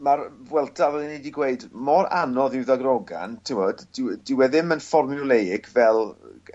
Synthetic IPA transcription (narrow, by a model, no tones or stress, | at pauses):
marbwɛlˠtʰavɛlˠinejdiɡweɨdmɔɾanɔðɪwðaɡrɔɡa̰ntʰɪwɔddɪwdɪwɛðɪmənfɔrmjɔlˠejɪɡvɛlˠ